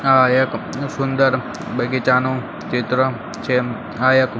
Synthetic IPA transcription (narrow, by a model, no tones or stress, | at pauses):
ajəksund̪əɾ | bəɡet͡ʃanõ | t͡ʃet̪ɾə | t͡ʃʰe | ajək